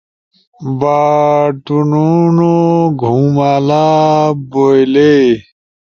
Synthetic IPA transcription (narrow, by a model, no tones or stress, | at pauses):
baːʈununoɡʱũːmaːlaːboːjle